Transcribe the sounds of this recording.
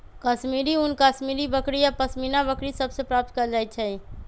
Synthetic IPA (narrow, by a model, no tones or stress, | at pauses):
kəsmiɾiunkəsmiɾibəkɽijapəsminabəkɾisəbsepɾap̚t̪kəɾd͡ʒajt͡ʃʰɛ